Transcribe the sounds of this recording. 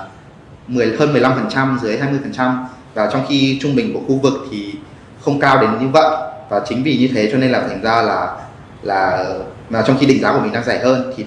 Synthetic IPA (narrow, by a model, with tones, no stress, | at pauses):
mɨ˨˩əjhəː˧nmɨ˨˩əjla˧mfə˨˩nt͡ɕa˧mzɨ˨˦əjɦaː˧jmɨ˧əjfə˨˩nt͡ɕa˧m | vaː˨˩t͡ɕɔ˧wŋ͡mxi˧t͡ɕʊ˧ŋ͡mɓï˨˩ŋ̟ku˧˩əxu˧vɨ˨˩k̚t̪ʰi˨˩ | xə˧wŋ͡mkaː˧wɗe˨˦nɲɨ˧və̰˧˨jvaː˨˩t͡ɕï˨˦ŋ̟vi˨˩ɲɨ˧t̪ʰe˨˦t͡ɕɔ˧ne˧nlaː˨˩t̪ʰa˨˩jŋ̟zaː˧laː˨˩ | laː˨˩ | maː˨˩t͡ɕɔ˧wŋ͡mxi˧ɗḭ̈˧˨ŋ̟zaː˨˦ku˧˩əï˨˩ŋɗaː˧ŋzaː˧˩jɦəː˧nt̪ʰi˨˩